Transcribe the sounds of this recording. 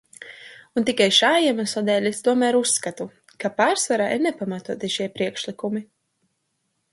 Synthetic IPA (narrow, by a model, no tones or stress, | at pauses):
unt̪ikajʃaːjɛmasɔd̪ɛːlʲest̪uɔmæːɾusːkat̪u | kapaːɾsvaɾaʔiɾnɛpamat̪uɔt̪iʃiɛpɾiɛkʃlikumi